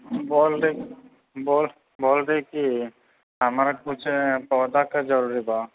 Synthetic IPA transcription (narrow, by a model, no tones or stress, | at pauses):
bɔlɾe | bol | bolɾeki | amɾakut͡ʃʰpɔd̪akad͡ʒəɾuɾiba